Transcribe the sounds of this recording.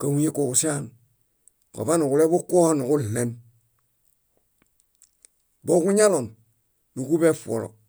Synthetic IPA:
ka˨hu˦e˦ko˨ku˨si˦a˦n | ko̰˨ba˦nu˨ku˨le˦bu˦ko˦ha˦nu˨ku˦lːe˨n | bo˦ku˦ɲa˦lo˨n | nu˨ku˦be˦fo̰˨lo̰˨

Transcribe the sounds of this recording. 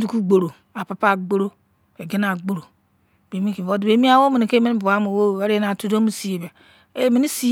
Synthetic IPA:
du˨ku˦ɡ͡bo˨ɾo˨ | a˨pa˨pa˦˨ɡ͡bo˦ɾo˦ | be˨ɡe˦na˨ɡ͡bo˨ɾo˨ | b̥e˨mi˦ki˨vo˦dbe˦mi˦a˦wo˦mi˨ni˨ke˦mi˦n˦bu˨a˦mo˨wo˦˨e˦ɾe˦na˨tu˦do˦mi˦si˨je˨ba˨ | e˦mi˦i˦si˦

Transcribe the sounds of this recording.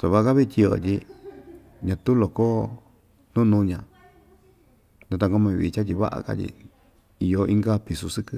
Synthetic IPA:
t̪a˨βa˦ʔa˧ka˦βi˦˧t̪ʲi˧o̰˧˨t̪ʲi˧ | ɲã˧t̪u˦lo˨ko˦ | nũ˦nũː˦˧ɲã˧ | nd̪a˧t̪a˧ko˦mã˧βi˧t͡ʃa˦t̪̬ʲi˧βa̰˦ʔa̰˧ka̰˦t̪ʲḭ˧ | i˧jo˧ʔi˦ŋɡa˦pi˧su˧sɨ˦kɨ˦

